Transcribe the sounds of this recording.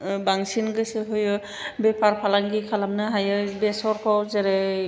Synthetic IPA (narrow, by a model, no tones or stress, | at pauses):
baŋsinɡɯsɯɦɯjɯ | bepʰaɾpʰalaŋɡikʰalamnɯɦajɯbɛsɔɾkʰɔwzɛɾɛ